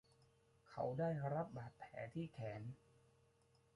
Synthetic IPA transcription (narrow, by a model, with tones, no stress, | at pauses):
kʰa˦˥wdaː˥˩jɾa˦˥p̚baː˨˩t̪̚pʰɛ̰ː˩˦t̪ʰiː˥˩kʰɛː˩˦n